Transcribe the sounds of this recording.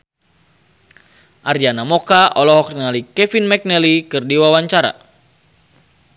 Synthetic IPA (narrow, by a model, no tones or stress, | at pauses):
ʔaɾianamokaʔɔlɔɦɔkriŋalikɛfinmɛk̚nɛlikɨrdiwawaɲt͡ʃaɾa̰